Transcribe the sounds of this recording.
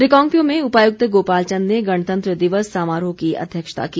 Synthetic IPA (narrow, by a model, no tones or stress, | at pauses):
ɾɪkɔ̃ːŋpijõmẽʊpaːjʊɡ̚t̪əɡoːpaːlt͡ʃə̃nneɡɐɽ̃t̪ə̃nt̪ɾəd̪ɪʋəsːaːmaːɾõkiɐ̰d̪ʱjəkʃə̥t̪a̰kiː